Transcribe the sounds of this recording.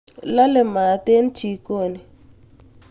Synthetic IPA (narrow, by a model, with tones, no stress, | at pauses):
la˦lɛ˨ma˨tʼe˦n˦t͡ʃʰi˨kʼoː˨ni˨